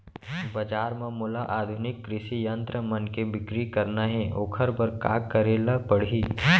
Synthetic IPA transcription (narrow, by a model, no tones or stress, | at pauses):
bɐd͡ʒaːɾmãmʊlaʔaːd̪ʱʊnɪkːɾɪʃijə̃nt̪ɾəmɐnkebɪkɾikɐɾnaɦɛʔoːkʰəɾpəɾka̰ːkkːəɾelapəɽ̤iː